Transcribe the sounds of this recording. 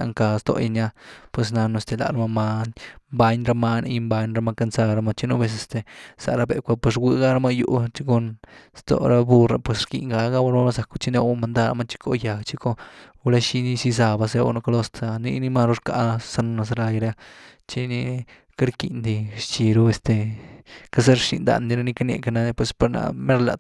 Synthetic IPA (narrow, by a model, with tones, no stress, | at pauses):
a̰˧ŋka˧st̪o̰˧i˧ɲa˧pwe˧s̬na˧nu˧e˧st̪e˧˨la̰˧˨ɾa˧ma˧ma˧nmba˧ɲɾa˧ma˧na̰˧ji˧mba˧ɲɾa˧ma˧ka˧nsa˧ɾa˧ma˧t͡ʃi˦nu˧be˧s̬e˧st̪e˨sa̰˨ʔɾa˧be˨ʔkʷa˧pwe˧s̬ɡʷi˧ɡa˦ɾa˧ma˧jṵ˧ʔt͡ʃi˦ko˧nst̪o̰˨ɾa˧bu˧ɾa˧pwe˧sɾkḭ˧ŋɡa˧ɡa˦wa˧ɾma˦a˦sa˨ku˧t͡ʃi˦ne˧˦˧ma˧nd̪a˦ɾa̰˧ma˧t͡ʃi̥˦ko̰˧ja˨ɡt͡ʃi˦ko˦˧la˦ʃi˧ni˦si˦˧z̬a˧ba˧se˦o̰˧no˧ka˧lo˦st̪a˧nḭ˧ni˦ma˦˧ɾu˦ɾka˧sa˦no˧na˧s̬a˧ɾa˧jɾa˦t͡ʃi˦ni˧ | ka˦ɾki˨nd̪i˧ʃt͡ʃi˧ɾo˦e˧st̪e˧ka˦sa˦ɾʃḭ˧nd̪a̰˧nd̪i˧ɾa˦ni˦ka˦nḛ˧ka˧na˧d̪pwe˧spa˧ɾna̰˧me˦ɾla̰˨